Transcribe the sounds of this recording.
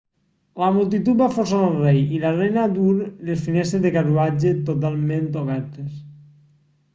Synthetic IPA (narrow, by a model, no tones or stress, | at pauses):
lamulˠt̪̬it̪ut̪̚bafos̬anelˠrejilarejnad̪uɾlesfinɛst̪ɾeðekaruad͡ʒet̪ot̪̬alˠmẽnt̪oβɛɾt̪es